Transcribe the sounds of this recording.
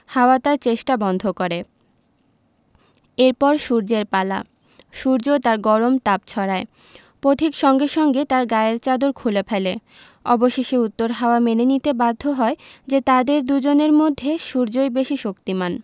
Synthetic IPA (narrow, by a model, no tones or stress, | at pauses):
haoat̪aɾt͡ɕeʃʈabɔnd̪ʱokoɾe | eɾpɔɾʃuɾd͡ʑeɾpala̰ | ʃuɾd͡ʑot̪aɾɡɔɾomt̪ap̚t͡ɕʰɔɾae | pɾot̪ʰikʃɔŋɡeʃɔŋɡet̪aɾɡaeeɾt͡ɕad̪oɾkʰulepʰele | ɔ̰boʃeʃeut̪ːoɾɦaoamenenit̪ebad̪ʱːoɦɔed͡ʑet̪ad̪eɾd̪ud͡ʑoneɾmod̪ʱːeʃuɾd͡ʑojbeʃiʃokt̪iman